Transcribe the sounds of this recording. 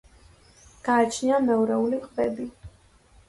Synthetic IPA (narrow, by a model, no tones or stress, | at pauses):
ɡ̥aːt͡ʃʰnianɛuɾɛuliqʼvɛbi